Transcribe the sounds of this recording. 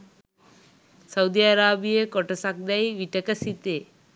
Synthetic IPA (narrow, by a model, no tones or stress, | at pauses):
sɐwd̪iaɾaːbijekɔʈɐsak̚d̪ɐjʋiʈɐkɐsit̪e